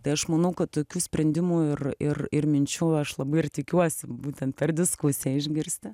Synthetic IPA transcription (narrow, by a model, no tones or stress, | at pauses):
t̪ɐɪɐʃmɐnɐʊkɐt̪toːkʲuːsʲpʲɾʲɛnʲd̪ʲɪmuːɪrɪrɪrmʲɪnʲt͡ʃʲuɐʃlˠɐbɐɪɪrt̪ʲɪkʲuɔsʲɪbuːtʲɛnt̪̚pʲɛrd̪ʲɪskusʲɛɪʒʲɡʲɪɾʲsʲt̪ʲɪ